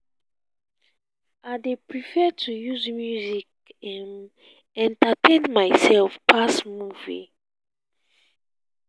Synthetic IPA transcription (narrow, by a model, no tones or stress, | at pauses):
ʔaɪdepʰɹifɛtʰujuzmjuzik̚ | ɛ̃n | ɛ̃ntatʰẽnmaɪsɛlfpʰasmuvḭ